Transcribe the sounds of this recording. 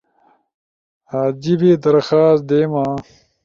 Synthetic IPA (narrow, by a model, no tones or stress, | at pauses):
aːd͡ʑibed̪ɐɾxaːsd̪eːmaː